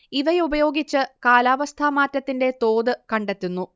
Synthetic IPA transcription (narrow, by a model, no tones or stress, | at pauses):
iʋɐjubɐjo̞ːɡit͡ɕːɨkaːlaːʋɐst̪ʰamaːtːɐt̪ːinde̞t̪o̞ːd̪ɨkɐɳɖe̞t̪ːunːu